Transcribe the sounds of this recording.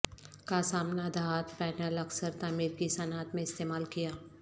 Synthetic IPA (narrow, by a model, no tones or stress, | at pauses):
kasaːmnad̪ʱaːt̪pɛːnəlɐksəɾt̪aːmiːɾkisɐnaːt̪mẽɪst̪eːmaːlkijaː